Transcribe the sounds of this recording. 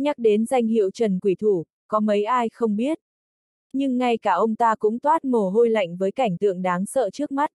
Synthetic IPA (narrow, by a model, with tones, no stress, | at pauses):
ɲa˦˥k̚ɗe˨˦nza˧jŋ̟hḭ˧˨ə˨wt͡ɕə˨˩nkwi˧˩t̪ʰu˧˩ | kɔ˨˦mə˨˦jʔaː˧jxə˧wŋ͡mɓi˦˥ət̚ | ɲɨ˧ŋːa˧jkaː˧˩ʔə˧wŋ͡mt̪aː˧kʊ̰˧˥ŋ͡mt̪waː˦˥t̚mo˨˩ɦo˧jla̰˧˨jŋ̟vəː˨˦jka˧˩jŋ̟t̪ɨ̰˧˨əŋɗaː˨˦ŋsə̰ː˧˨t͡ɕɨ˦˥ək̚ma˦˥t̚